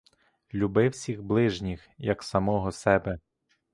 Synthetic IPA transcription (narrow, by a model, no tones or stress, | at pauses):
lʲubɪwsʲiɣblˠɪʒnʲixjɐksɐmɔɦɔsɛbɛ